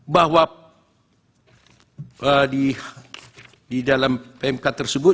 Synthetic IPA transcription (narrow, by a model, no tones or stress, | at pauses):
baɦwa | ədi | didalampemkat̪ːərsəbʊ